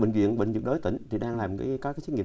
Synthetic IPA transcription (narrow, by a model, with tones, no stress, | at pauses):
ɓḛ˧˨ŋ̟zwḭ˧˨ənɓḛ˧˨ŋ̟zɨ˨˩k̚ɗo˨˦jt̪ï˧˩˨ŋ̟t̪ʰi˨˩ɗaː˧ŋlaː˨˩mka˨˦kaː˦˥kaː˨˦t͡ɕi˨˦ŋḭ˧˨